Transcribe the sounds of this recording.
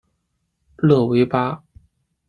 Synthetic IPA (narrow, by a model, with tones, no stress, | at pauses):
lɤ˥˩we˧˥ɪpa˥